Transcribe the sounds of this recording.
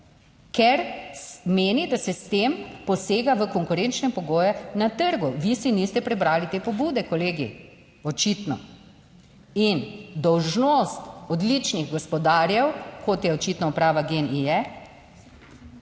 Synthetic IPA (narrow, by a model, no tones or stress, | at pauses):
kɛɾmeːnid̪asɛst̪empɔseːɡaʋəkɔŋkuɾent͡ʃnɛpɔɡoːjɛnat̪əɾɡuʋisinist̪ɛpɾɛbɾaːlit̪eːpɔbuːd̪ɛkɔleːɡḭ | ɔt͡ʃit̪nɔ̰ | ind̪ɔwʒnost̪ɔd̪lit͡ʃniɣɡɔspɔd̪aːɾjɛwkot̪jɛɔt͡ʃit̪nɔupɾaːʋaɡenijɛ